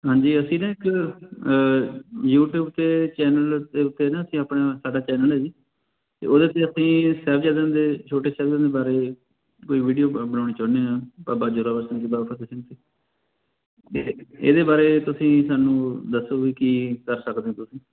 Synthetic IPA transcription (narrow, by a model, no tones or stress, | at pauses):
ɦãːɲd͡ʒiːəsĩːnãːɪk | juːʈjuːb̚t̪eːt͡ʃɛːnəld̪eːʊt̪ːeːnãːəsĩːaːpɳaːsaːɖaːt͡ʃɛːnəlɦɛːd͡ʒiː | t̪ḛːʔoːd̪eːt̪eːəsĩːsɛːʋd͡ʒaːd̪ẽnd̪eːt͡ʃʰoːʈeːsɛːbd͡ʒẽːnd̪eːbaːɾeː | koːiːʋiːɖijoːbənãːɽ̃iːt͡ʃəːneːãːpaːbaːd͡ʒoːɾaːʋəɾsə̃nd̪iːbaːpʰət̪ɪsĩnt̪eː | eḛːd̪eːbaːɾeːt̪ʊsĩːsaːnũːd̪əsoːʋiːkiːkəɾsəkd̪eːãːt̪ʊsĩː